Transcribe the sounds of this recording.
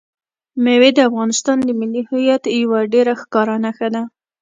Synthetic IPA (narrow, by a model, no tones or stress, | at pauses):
mewed̪əafɣɑnɪst̪ɑnd̪əmɪlːihajat̪jawaɖeɾaxkɑɾɑnaxəd̪a